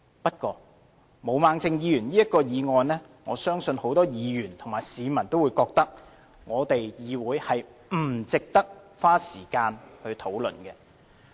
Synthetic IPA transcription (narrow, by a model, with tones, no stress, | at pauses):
pɐ˥t̚kʷɔː˧ | mo˨˧wmaː˨˧ŋt͡sɪ˧ŋjiː˨˧jyː˨˩nliː˥jɐ˥t̚kːɔː˧jiː˨˧ŋɔː˨nnɛː˥ | ŋɔː˨˧sœː˥ŋsɵ˧nho˨˥wt̪ɔː˥jiː˨˧jyː˨˩nt̪ʰʊ˨˩ŋmaː˨˩jsiː˨˧mɐ˨˩nt̪o˥wu˨˧jkɔː˧k̚t̪ɐ˥k̚ | ŋɔː˨˧t̪e˨jjiː˨˧wuː˨˥jhɐ˨jm̩˨˩t͡sɪ˨k̚t̪ɐ˥k̚faː˥siː˨˩kaː˧nhɵ˧ɥt̪ʰo˨˥wlɵ̰˨nkɛː˧